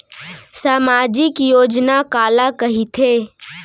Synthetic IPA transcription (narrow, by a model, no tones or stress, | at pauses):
saːmaːd͡ʒɪkjoːd͡ʒnakaːlakɐɦit̪ʰeː